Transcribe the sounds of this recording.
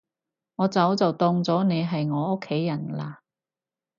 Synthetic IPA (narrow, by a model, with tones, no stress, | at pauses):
ŋɔː˨˧t͡sɐ˨˥wt͡sɐ˨wt̪ɔː˧ŋt͡sɔː˨˥ne˨˧jɦɐ˨jŋɔː˨˧ʊ˥kʰːe˨˥jːɐ˨˩nlaː˧